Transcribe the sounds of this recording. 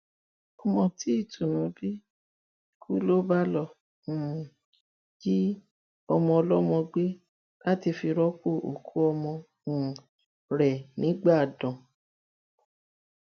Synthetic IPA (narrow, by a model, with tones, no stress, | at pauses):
ɔ˧mɔ̃˧ti˨˦i˦˨tʰũ˨nũ˨˦bi˦ | kʰu˦lo˦ba˦lɔ̃˦˨ | d͡ʒi˦ | ɔ˧mɔ̃˧ɔ˧lɔ˦mɔ̃˧ɡ͡be˦ | la˦ti˧fi˧ɾɔ˦k͡po˦˨ʔo̰˨kʰu˨˦ɔ˧mɔ̃˧˨ | ɾɛ˨nĩ˨˦ɡ͡ba˦˨dɔ̃˨